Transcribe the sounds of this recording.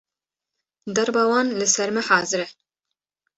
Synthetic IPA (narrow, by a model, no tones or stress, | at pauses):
d̪ɛɾbɑːwɑːnlɨsɛɾmɨħɑːzɨɾɛ